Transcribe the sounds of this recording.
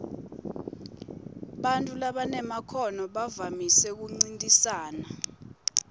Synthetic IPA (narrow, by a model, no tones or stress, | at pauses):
ɓantʼulaɓanɛmakʰɔnɔɓavamisɛk̬uŋ͡ǀintʼisaːna